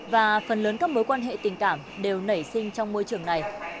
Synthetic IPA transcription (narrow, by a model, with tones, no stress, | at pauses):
vaː˨˩fə˨˩nləː˨˦nkaː˨˥k̚mo˨˦jkwaː˧nɦḛ˧˨t̪ï˨˩ŋ̟kaː˧˩mɗe˨˩wnə˧˩jsï˧ŋ̟t͡ɕɔ˧wŋ͡mmo˧jt͡ɕɨ˨˧˩əŋna˨˩j